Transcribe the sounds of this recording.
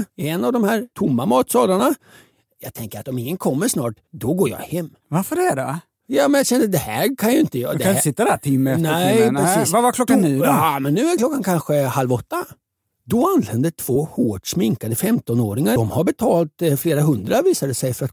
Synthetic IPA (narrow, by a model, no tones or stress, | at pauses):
ɛnːavd̪ɔmhæːɾʈ̪ʰʊmːamɑːt̪sɑːlaɳa | jɑːɡt̪ʰɛŋkəɾat̪ɔmɪŋːənkʰɔmːəʂnɑ̰ːʈ | d̪ɔɡoːɾjɑ̰ːhɛmːvaɾfəɖɛæɖɛ | jɑːmɛnjɑɕɛnd̪əd̪ɛhæːɾkʰanjɵɪnt̪əjɑ̰ːdd̪ɛsɪt̪ːad̪ætʰɪmːɛnt̪ɛnɾɛssiːsvavakʰlɔkːaniːɑmɛnːʉ̟ːæɾkʰlɔkːankʰanɧəhalvɔt̪ːa | d̪ɔanlɛnd̪ət̪ʰv̥oːhoːʈʂmɪŋkad̪əfɛmt̪ɔnoːɾɪŋad̪ɔmhaɾbɛt̪ʰɑːlt̪fleːɾaɦɵnd̪ɾaviːsad̪əsɛjfœɾat̪